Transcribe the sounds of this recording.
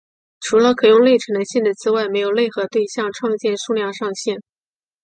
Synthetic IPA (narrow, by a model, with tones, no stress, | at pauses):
ʈ͡ʂʰu˧˥lə˧kʰɤ˨˩jʊ˥˧ŋle˥˩ɪʈ͡ʂʰə˧˥nd̪a˧˥nɕjɛ˥˩nd̪ə˩t͡sɹ̩˥wa˥˩ɪme˧˥ɪjo˨˩ʊle˥˩ɪxɤ˧˥t̪we˥˧ɪɕjɑ˥˧ŋʈ͡ʂʰwɑ˥˧ŋt͡ɕjɛ˥˧nʂu˥˧ljɑ˥˧ŋʂɑ˥˧ŋɕjɛ˥˩n